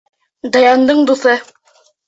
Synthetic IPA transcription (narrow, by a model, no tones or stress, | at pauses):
d̪ɑjɑnd̪ɤɴd̪uθɤ